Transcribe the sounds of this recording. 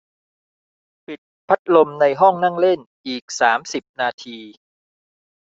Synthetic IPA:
pi˨˩t̪̚pʰa˦˥t̪̚lo˧mna˧jɦɔ˥˩ŋna˥˩ŋle˥˩nʔiː˨˩k̚saː˩˦msi˨˩p̚naː˧t̪ʰiː˧

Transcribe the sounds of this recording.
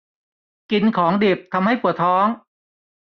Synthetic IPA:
ki˧nkʰɔː˩˦ŋdiː˨˩p̚t̪ʰa˧mha˥˩jpu˨˩ət̪ʰɔː˦˥ŋ

